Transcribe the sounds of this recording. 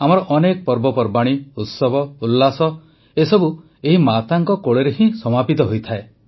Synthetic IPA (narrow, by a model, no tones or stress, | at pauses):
amɔɾɔʔɔnekɔpɔɾbɔpɔɾbaɽ̃iut̪sɔbɔulːasɔ | esɔbu | eɦimat̪aŋkɔkoɭeɾeɦĩsɔmapit̪ɔɦojt̪ʰae